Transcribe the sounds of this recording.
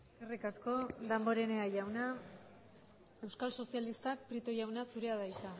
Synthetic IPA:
esskerikasko̞d̪ambo̞ɾe̞ne̞ajawna | e̞wskalso̞sialist̪ak̚pɾit̪oʝawnasuɾe̞aðajt̪a

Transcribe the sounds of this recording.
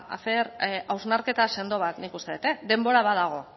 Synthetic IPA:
a̰θeɾawznaɾke̞t̪ase̞nd̪o̞β̞at̪nikust̪e̞et̪ed̪e̞mbo̞ɾaβað̞aɣ̞o̞

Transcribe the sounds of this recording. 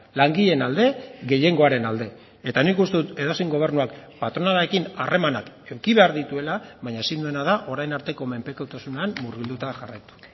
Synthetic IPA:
laŋɡiʎe̞nald̪e̞ɣe̞ʎe̞ŋɡo̞aɾe̞nald̪e̞ | et̪anikust̪e̞ðut̪e̞ðosiŋɡo̞β̞e̞ɾnuakpat̪ɾo̞nalae̞kinarʔe̞manakeŋkiβe̞aɾðit̪ue̞laβaɲaesind̪ue̞nað̞aʔo̞ɾajnaɾt̪e̞ko̞me̞mpe̞kowt̪asuneammurɣ̞ild̪ut̪aʝarajt̪u̥

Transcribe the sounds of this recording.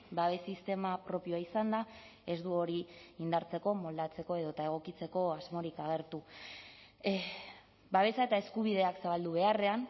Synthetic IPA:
baβesist̪e̞mapɾo̞pio̞aisand̪a | e̞zd̪uo̞ɾiːnd̪aɾt͡se̞ko̞mo̞ld̪at͡se̞ko̞e̞ð̞o̞t̪ae̞ɣ̞o̞kit͡se̞ko̞azmo̞ɾikaɣe̞ɾt̪u | baβe̞saet̪ae̞skuβiðe̞aksaβald̪uβ̞e̞are̞an

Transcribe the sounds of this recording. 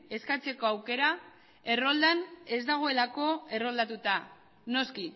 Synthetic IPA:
e̞skat͡se̞ko̞awke̞ɾa | e̞rold̪ane̞zd̪aɣ̞o̞e̞lako̞e̞ro̞ld̪at̪ut̪a | no̞ski

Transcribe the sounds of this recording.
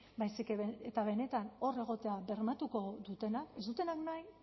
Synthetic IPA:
bajsikeβet̪aβe̞ne̞t̪ano̞re̞ɣ̞o̞t̪e̞abe̞ɾmat̪uko̞ðut̪e̞nake̞zd̪ut̪e̞naknaj

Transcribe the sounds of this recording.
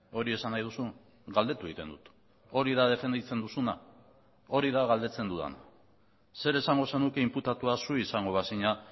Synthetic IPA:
o̞ɾie̞sanːajð̞usu | ɡald̪e̞t̪ueit̪e̞nd̪ut̪ | o̞ɾiðaðe̞fe̞nd̪it͡se̞nd̪usuna | o̞ɾiðaɣald̪e̞t͡se̞nd̪uða̰na | se̞ɾe̞saŋɡo̞senuke̞imput̪at̪uasuisaŋɡo̞βasiɲa

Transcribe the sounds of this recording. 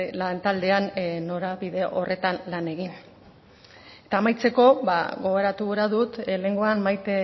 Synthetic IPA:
lant̪ald̪e̞anno̞ɾaβiðe̞ʔo̞rʔe̞t̪anlane̞ɣin | e̞t̪aːmajt͡se̞ko̞βa̰ɣo̞ɣoɾat̪uɾaðut̪le̞ŋɡoanmajt̪e

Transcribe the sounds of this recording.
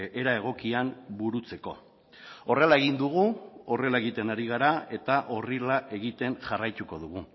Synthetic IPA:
eɾae̞ɣ̞o̞kiambuɾut͡se̞ko̞̰ | o̞re̞lae̞ɣind̪uɣ̞uo̞re̞lae̞ɣit̪e̞naɾiɣ̞aɾae̞t̪aʔo̞rilaʔe̞ɣit̪e̞ŋʝarajt̪uko̞ðuɣ̞u

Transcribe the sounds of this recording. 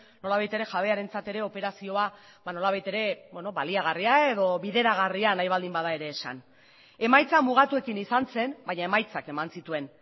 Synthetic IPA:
no̞laβajt̪e̞ɾe̞xaβ̞e̞aɾe̞nt͡sat̪e̞ɾe̞o̞pe̞ɾasio̞a | βano̞laβajt̪e̞ɾe̞bweno̞βaliaɣ̞ariae̞ðo̞βiðe̞ɾaɣarianajβald̪imbaðae̞ɾe̞ːsa̰n | e̞majt͡samuɣ̞at̪ue̞kinisanse̞nbaɲae̞majt͡sake̞mansit̪ue̞n

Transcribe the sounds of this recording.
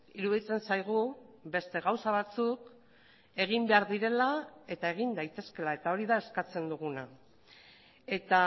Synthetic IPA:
iɾuðit͡se̞nsajɣ̞uβe̞st̪e̞ɣawsaβ̞at͡suk | e̞ɣ̞imbe̞aɾðiɾe̞lae̞t̪ae̞ɣ̞ind̪ajt̪e̞ske̞lae̞t̪ao̞ɾiðae̞skat͡se̞nd̪uɣuna | e̞t̪a

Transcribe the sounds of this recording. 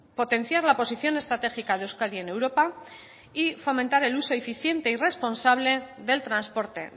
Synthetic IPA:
po̞t̪ẽ̞n̟θjaɾlapo̞siθjo̞ne̞st̪ɾat̪e̞xikaðewskaðie̞ne̞wɾo̞pa | ifo̞mẽnt̪aɾe̞luso̞efiθje̞nt̪e̞ire̞spo̞nsaβ̞le̞ðe̞lt̪ɾanspo̞ɾt̪e̞̰

